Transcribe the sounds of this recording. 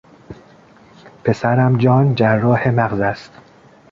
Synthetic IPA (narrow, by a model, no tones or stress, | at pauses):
pʰe̞sæɾæmd͡ʒɒːnd͡ʒæɾːɒːhemæɣzæst̪